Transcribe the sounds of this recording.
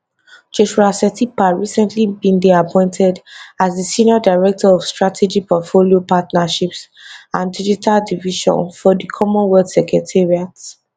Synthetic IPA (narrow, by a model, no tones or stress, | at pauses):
d͡ʒoʃuasɛtipaɹisɛ̃ntʰlibĩndeapʰɔ̃ɪ̃ntʰɛdazdisĩniɔdaɪɹɛk̚tʰɔɔv̥stɹatʰed͡ʒipɔtfoliopatnaʃips | ãndid͡ʒitʰaldiviʃɔ̰̃nfɔdikʰɔmɔ̃nwɛldsɛkɹɛtʰɛɹiat